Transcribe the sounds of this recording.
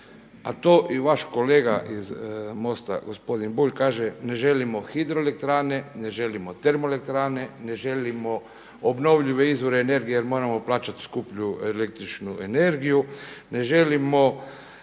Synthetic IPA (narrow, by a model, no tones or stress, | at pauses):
a̰t̪oːʔiʋaʃko̞le̞ːɡaʔizmo̞st̪a̰ɡospo̞d̪inbuʎkaːʒene̞ʒe̞limo̞xid̪ɾoelek̚t̪ɾaːne̞ne̞ʒe̞limot̪e̞ɾmole̞k̚t̪ɾaːne̞ne̞ʒe̞limo̞ | obno̞ʋʎiʋe̞izʋo̞ɾeːne̞ɾɡijejeɾmo̞ːɾamo̞plaːt͡ʃat̪skupʎuelek̚t̪ɾit͡ʃnuene̞ɾɡijune̞ʒelimo̞